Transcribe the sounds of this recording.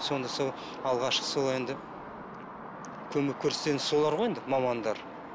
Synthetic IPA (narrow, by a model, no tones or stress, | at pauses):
so̞nd̪ɑsolˠ | ɑlˠʁɑʃqə̥solˠe̞nd̪ɪ | kʲʰɵmɪkʲʰːɵɾse̥t̪e̞nso̞lˠɑɾʁojend̪ɪmɑmɑnd̪ɑɾ